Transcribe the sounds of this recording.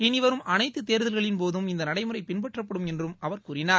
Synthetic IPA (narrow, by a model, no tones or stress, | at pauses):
ɪnɪʋɐɾɯmʔɐnɐɪt̪ːɯt̪ːeːɾðɐlɣɐɭɪnpoːðɯmɪnd̪ɐnɐɽɐɪmɯrɐɪpɪnpɐʈrɐp̬ːɐɽɯmɛndrɯmɐʋɐɾkuːrɪnaːɾ